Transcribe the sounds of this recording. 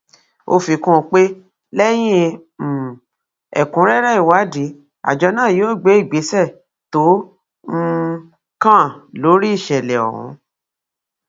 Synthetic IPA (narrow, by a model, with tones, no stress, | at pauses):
o˧fi˧kũ˦˧k͡pe˦ | lɛ˦j̃ĩ˦˨ | ɛ̰˨kũ˨˦ɾɛ˦ɾɛ˦i˨wa˨˦di˨˦ | a̰˨d͡ʒɔ˧nãː˦˨joː˦˨ɡ͡be˨˦i˦˨ɡ͡be˨˦sɛ˦˨ | tõ˨˦ | kã˦˨lo˨˦ɾi˦i˦˨ʃɛ˨lɛ˨ɔ̰˨hṵ̃˨˦